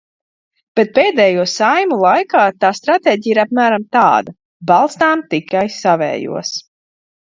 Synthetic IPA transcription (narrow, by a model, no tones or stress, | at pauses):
b̥et̪̚peːd̪ɛːjuɔsajmulˠajkaːt̪aːst̪ɾat̪ɛːɟiːiɾap̚mæːɾamt̪a̰ːd̪a | balˠst̪aːmt̪ikajsavɛ̰ːjṵɔs